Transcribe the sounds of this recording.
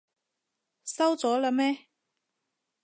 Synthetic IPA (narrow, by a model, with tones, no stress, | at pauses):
sɐ˥wt͡sɔː˨˥la˨˧mɛː˥